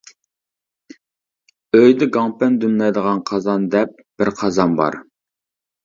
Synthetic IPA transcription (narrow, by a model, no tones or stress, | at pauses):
øjd̪ɛɡɑŋpɛnd̪ymlˠɑjd̪əʁɑnqʰɑzɑnd̪ɛp̚ | b̥ɪɾqʰɑzɑnbɑ̰ɾ